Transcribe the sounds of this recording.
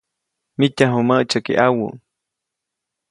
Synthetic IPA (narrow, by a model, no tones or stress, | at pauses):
mitaɦuməʔt͡ʃakḭʔawṵ